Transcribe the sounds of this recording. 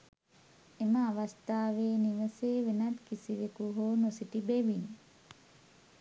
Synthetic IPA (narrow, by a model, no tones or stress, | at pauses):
eməaʋast̪aːʋeːniʋəseːʋenat̪kisiʋekuɦoːnosiʈibeʋin